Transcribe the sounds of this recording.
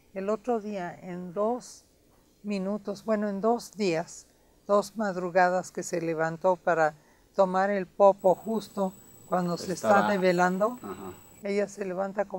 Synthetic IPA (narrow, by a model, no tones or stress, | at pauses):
elo̞t̪ɾo̞ðiaend̪o̞s | mĩnut̪o̞zbwe̞noe̞nd̪o̞zd̪ias | d̪̥o̞zmaðɾuɣaðaske̞se̞le̞βant̪o̞paɾa | t̪omaɾe̞lpo̞po̞xust̪o̞ | kwand̪oseːst̪aðeβe̞land̪o | e̞ʝase̞le̞βant̪ako